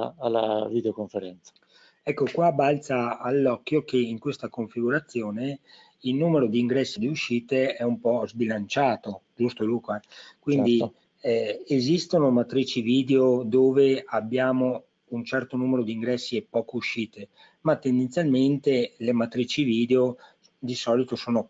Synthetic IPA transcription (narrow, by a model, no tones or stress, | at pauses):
alːa̰vid̪eokoɱfeɾɛnt̪sḁ | ɛkːokwabalt̪saːlːɔkːjokeiŋkwest̪akoɱfiɡuɾat̪sːjoːne | ilnuːmeɾod̪iːŋɡɾɛsːid̪iuʃːiːt̪eɛumpɔzbilant͡ʃaːt̪od͡ʒust̪olukoɛkwindd̪i | ezist̪onomat̪ɾiːt͡ʃiviːd̪eod̪oːveabːjaːmo | unt͡ʃɛrt̪onuːmeɾod̪iːŋɡɾɛsːiɛpːɔːkouʃiːt̪e | mat̪ːend̪ent̪sjalment̪elemat̪ɾiːt͡ʃiviːd̪eo | d̪isɔːlit̪osoːno